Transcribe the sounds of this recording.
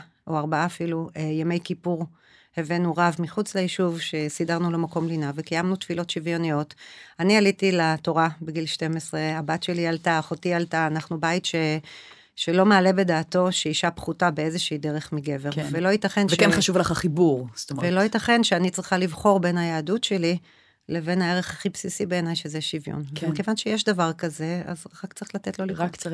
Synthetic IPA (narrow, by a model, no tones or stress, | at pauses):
ʔoaʁbaaːfiluejame̞jkipuʁ | hevenuʁavmiχut͡sleiʃuvʃe̞sidaʁnulo̞mako̞mlinavekajamnutfilo̞tʃivjo̞nijo̞tanialitilato̞ʁabeɡilʃte̞mesʁe̞abatʃe̞lialtaːχotialtaːnaχnubaitʃe̞ | ʃelo̞maːle̞be̞daːto̞ʃeiʃapχutabeezeʃiiːdeʁe̞χmiɡe̞ve̞ʁvelo̞itaχenvʃkenχaʃuvlaχaχibuʁst̪ovelo̞it̪aχe̞nʃeanit͡sʁiχalivχo̞ʁbe̞nhajaːdutʃe̞li | le̞ve̞nhae̞ʁeχaχipsisibe̞ːnajʃezeʃivjo̰nmekevanʃejeʃdavaʁkaze̞a̰zaʁakt͡sʁilatetlo̞liak